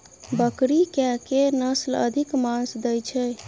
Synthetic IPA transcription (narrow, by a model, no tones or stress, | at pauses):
bəkɾikɛkenəslə̰d̪ʱikmãnsd̪ɛjt͡ʃʰɛ